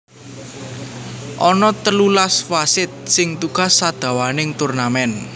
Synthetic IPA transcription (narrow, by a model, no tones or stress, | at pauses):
ʔɔnɔt̪əlulasfasɪt̪̚sɪŋt̪uka̤sːad̪̥a̤wanɪŋt̪urnamɛn